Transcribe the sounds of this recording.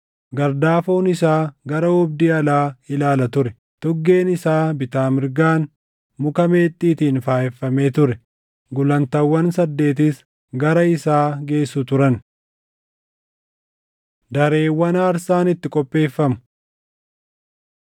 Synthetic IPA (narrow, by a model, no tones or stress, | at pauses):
ɡɐɾd̪aːfoːnɪsaːɡɐɾɐʊb̚d̪iːɐlaːɪlaːlɐt̪ʊɾɛ | t̪ɔɡːe̞ːnɪsaːbɪt̪aːmɪɾɡaːn | mʊkɐme̞ːt̪ʼːiːt̪iːnfaːʔɛfːɐmeːt̪ʊɾɛ | ɡʊlɐnt̪ɐwːɐnsɐd̪ːe̞ːt̪̬ɪs | ɡɐɾɐɪsaːɡe̞ːsːʊt̪ʊɾɐn | d̪ɐɾe̞ːwːɐnɐːɾsaːnɪt̪ːɪkʼɔpʼːe̞ːfːɐmʊ̥